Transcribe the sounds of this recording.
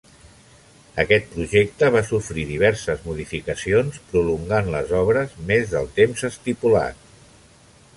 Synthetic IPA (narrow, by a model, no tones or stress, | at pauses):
əkɛt̪̚pɾuʒek̚t̪əβasufɾiðiβ̞ɛɾsəzmuðifikəsionspɾuluŋɡanlə̰zɔβɾəzmezðəlˠt̪emzəst̪ipula̰t̪̚